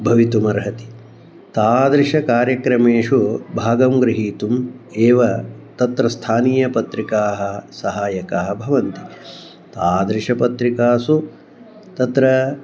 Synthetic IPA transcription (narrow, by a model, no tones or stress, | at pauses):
bʱɐʋit̪umɐɾɦɐt̪i̥ | t̪aːd̪ɾiʂɐkaːɾjɐkɾɐmeːʂubʱaːɡɐmɡɾɪɦiːt̪umeːʋɐt̪ɐt̪ɾɐst̪ʰaːniːjɐpɐt̪ɾikaːɦɐ̆sɐɦaːjɐkaːɦɐbʱɐʋɐnt̪i | t̪aːd̪ɾiʂɐpɐt̪ɾikaːsu | t̪ɐt̪ɾɐ